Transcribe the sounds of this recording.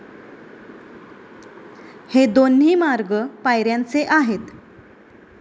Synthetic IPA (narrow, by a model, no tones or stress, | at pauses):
hed̪onɦiːmaɾɡəpajɾjant͡seʔaɦet̪